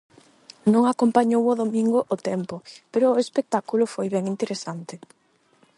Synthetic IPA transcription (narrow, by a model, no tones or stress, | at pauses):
nõŋakompaɲowoðomĩŋɡʊʔot̪ɛmpʊpeɾʊːespek̚t̪akulʊfojβɛŋint̪eɾesant̪ɪ